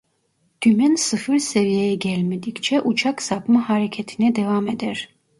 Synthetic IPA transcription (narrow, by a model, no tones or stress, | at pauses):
d̪̥ʰymɛnsɯfɯɾsevijejɛɟɛlʲmed̪ikt͡ʃʰɛʔut͡ʃʰaksapmaɦaɾecʰet̪ʰinɛd̪evamed̪ɛɾ̥